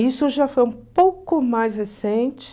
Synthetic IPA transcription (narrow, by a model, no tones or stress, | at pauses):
isʊʒafojũpowkʊmajshesẽnt͡ʃɪ̥